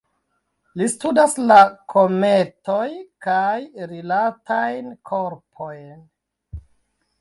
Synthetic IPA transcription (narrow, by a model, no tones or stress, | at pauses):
listudaslakʰome̞to̞jkajɾilatajnkʰoɾpʰo̞jn